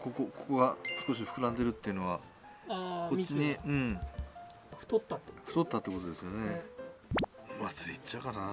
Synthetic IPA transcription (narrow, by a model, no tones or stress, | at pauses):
kokokoko̞ɡasɨ̥ko̞ɕ̬iɸɯ̟kɯ̟ɾãnd̪e̞ɾɯ̟t̪ːe̞iɯ̟no̞βa | aoiɲiɯ̟̃ɴ | ɸt̪ot̪ːaɸɯ̟t̪o̞t̪ːat̪ːeko̞t̪o̞d̪e̞sɨjo̞ne | mat͡sɨit͡ɕːakana